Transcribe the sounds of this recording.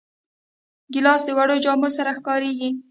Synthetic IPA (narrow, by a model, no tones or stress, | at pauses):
ɡɪlɑsd̪əwaɽod͡ʒɑmosaɾaxkɑɾeɡi